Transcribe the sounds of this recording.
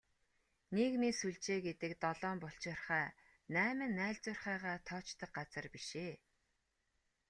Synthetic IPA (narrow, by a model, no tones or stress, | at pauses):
neknisuɮt͡ɕeːɡet̪ɘ̆kt̪ɔɮɔːmpɔɬt͡ɕɪ̆rχæː | næːmɘ̆nːæːɮt͡sʊrχæːʁaːt̪ʰɔːt͡ɕt̪ə̆q̚ɢat͡sə̆rpiʃeː